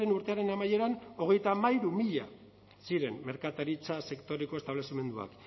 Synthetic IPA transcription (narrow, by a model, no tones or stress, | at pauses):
e̞nuɾt̪e̞aɾe̞namaje̞ɾano̞ɣ̞e̞jt̪amajɾumiʎa̰ | siɾe̞mme̞ɾkat̪aɾit͡sase̞kt̪o̞ɾeko̞e̞st̪aβle̞sime̞nd̪ua̰k